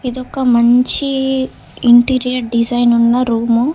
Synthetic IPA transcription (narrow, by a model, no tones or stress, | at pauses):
id̪ɔkːɐmɐɲt͡ʃi | iɳʈiːɾijɐɾɖid͡ʒɐjnunːɐɾuːmu